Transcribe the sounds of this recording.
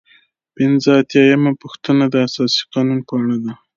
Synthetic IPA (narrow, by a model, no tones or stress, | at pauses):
pɪnzəat̪jɑjamapuxt̪ənad̪əasɑsi̥qɑnunpəaɽad̪a